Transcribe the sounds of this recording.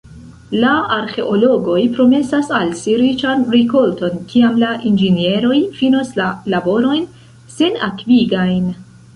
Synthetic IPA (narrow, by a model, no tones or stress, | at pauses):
laaɾxe̞ʔo̞lo̞ɡo̞jpɾo̞me̞sasalsiɾit͡ʃanɾiko̞lto̞nkiamlaʔind͡ʒenie̞ɾo̞jfinoslalabo̞ɾo̞jn | se̞na̰kviɡajn